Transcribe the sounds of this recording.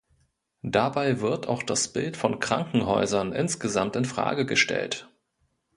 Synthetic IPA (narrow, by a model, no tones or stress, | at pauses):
d̥abaɪvɪɐtaʊxd̥asb̥ɪltfɔnkʁ̥a̰ŋkŋ̩ɦɔ̰ʏzɐnʔɪnsɡ̥əzamtɪnfʁ̥a̰ːɡəɡəʃtɛ̰lt